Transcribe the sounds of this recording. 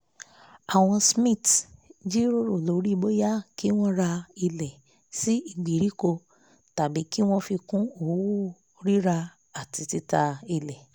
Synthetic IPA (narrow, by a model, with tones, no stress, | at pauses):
a˨w̃ɔ̃˧smĩ˦˨td͡ʒi˦ɾo˦ɾo˦˨lo˨˦ɾi˦˧bo˦ja˦ki˦w̃ɔ̃˦ɾa˧i˧lɛ˨ | si˦i˦˨ɡ͡bi˨ɾi˨˦ko˧ | ta˨bi˨˦ki˦w̃ɔ̃˦fi˧kũ˦o˦˨˦wu˦ | ɾi˦ɾa˧ | a˨ti˧ti˧ta˧i˧lɛ˨